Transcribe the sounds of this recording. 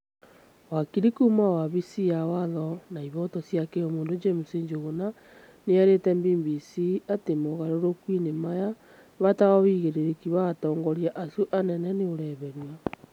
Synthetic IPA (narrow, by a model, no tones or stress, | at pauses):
wakiɾikumawaβisijawaðɔnaiβɔtɔsjakeomoːndod͡ʒɛmuseɲd͡ʒoɣona | neaɾetɛmbimbisiatemoɣaɾoɾokwinemaja | βataɣɔβiːɣeɾeɾekiβatɔːŋɡɔɾjaʔasuʔanɛnɛneoɾɛβɛɾwa